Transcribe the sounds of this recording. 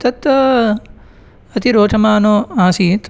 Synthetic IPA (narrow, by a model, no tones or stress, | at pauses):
t̪ɐt̪ʋɐ | ɐt̪iɾoːʈʰɐmaːnoaːsit̪